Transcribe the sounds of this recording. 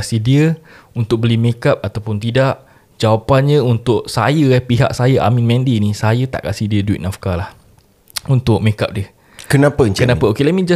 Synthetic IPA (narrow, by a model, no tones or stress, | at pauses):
kasihdiəunt̪ʊk̚bəlimẽkap̚at̪awpʊnt̪idaʔ | d͡ʒawapanɲəunt̪ʊʔsajəɛpiɦa̰ʔ̚sajəʔa̰mĩnmɛ̃ndinisajət̪a̰ʔkasihdiəduḭt̪ʔ̪̚nafkalah | unt̪ʊʔ̚mẽkap̚diə | kənapəɲkənapəokelamĩd͡ʒa